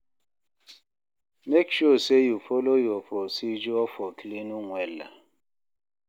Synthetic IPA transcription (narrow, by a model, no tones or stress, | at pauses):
mekʃosejufolojuɔfɔsid͡ʒuɔfɔklinuŋʷɛla̰